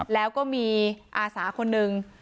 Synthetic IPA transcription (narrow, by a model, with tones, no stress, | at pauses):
lɛː˦˥wkɔː˥˩miː˧ʔaː˧saː˩˦kʰo˧nːɯ˨˧ŋ